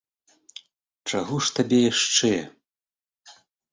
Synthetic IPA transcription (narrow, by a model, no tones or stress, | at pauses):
t͡ʂaɣɔʂt̪abʲɛjaʂt͡ʂɛjɛ̰